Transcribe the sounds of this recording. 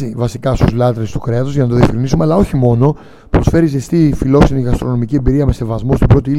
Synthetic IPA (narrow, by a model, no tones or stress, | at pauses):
ivɐsikɐst̪uzlɐt̪ɾest̪u̥kɾeɐt̪ozʝɐnɐt̪oðiɐfkɾinisumeɐlɐo̞çimo̞no̞ | pɾo̞sfe̞ɾizest̪ifilo̞ksiniɣɐst̪ɾo̞no̞miciembiɾiɐme̞se̞vɐzmost̪imbɾo̞t̪iil